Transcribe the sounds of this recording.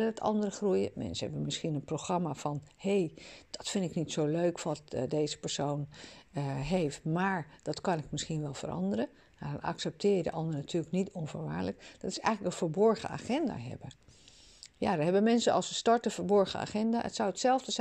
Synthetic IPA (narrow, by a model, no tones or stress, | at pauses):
ədɔtɑ̰ndərəχrujə̰mɛ̰nsənɦɛbənmɪsχinənproxrɑmafɑnhejd̥ɑtfɪndɪknitsowløɥkʋɑtdejzə̥pəɹsown | ɦejftmaːɹd̥ɑtkɑnɪk̚mɪsχinʋɛlˠvə̰rɾʔɑ̰ndəɾə | anɑ̰ksɛp̚tɪːjədə̰ʔɑndərənatʰyːləknitɔnfəɹʋa̰ːɹləkd̥ɑtɪ̥sɛ̰jxələkənvəɹbɔɹχə̰a̰ːχɛnda̰ːɦɛ̰bə | ja̰dɔnɦɛbənmɛnsənɑlˠsəstɑɹtəvəɹbɔɹχəa̰ːχɛnda̰ːə̰tsawətsɛlˠvdəz